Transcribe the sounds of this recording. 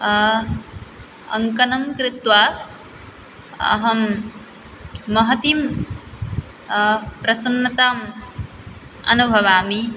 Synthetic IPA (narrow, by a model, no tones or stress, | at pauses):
ɐ̰ŋkɐnɐmkɾɪt̪ʋaː | ɐ̰ɦɐm | ɐɦɐt̪im | pɾɐsɐnːɐt̪aːm | ɐ̰nubʱɐʋaːmi